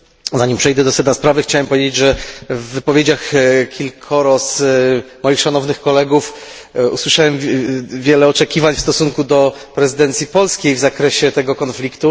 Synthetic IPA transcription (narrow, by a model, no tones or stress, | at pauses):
zaɲimpʂɛjd̪ɛd̪ɔsɛd̪naspɾavɘxt͡ɕawɛmpɔvʲjed͡ʑed͡ʑʐɛvːɘpɔvʲjed͡ʑaxkʲilkʰɔɾɔsmɔjixʂanɔvnɘxkɔlɛɡuf | uswɘʂawɛmvʲjɛlɛɔt͡ʂɛkʲivaɲfst̪ɔsuŋkud̪ɔpɾɛzɨd̪ɛnt̪sʲjipɔlskʲejvzakɾɛɕɛt̪ɛɡɔkɔnflʲikt̪u